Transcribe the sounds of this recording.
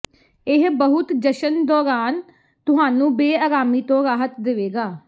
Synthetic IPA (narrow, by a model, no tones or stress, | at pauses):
ɪɦbəɦʊt̪d͡ʒəʃənd̪ɔːɾaːn | t̪ʊɦaːnũːbeːaːɾaːmiːt̪õːɾaːɦət̪d̪ɪʋeːɡaː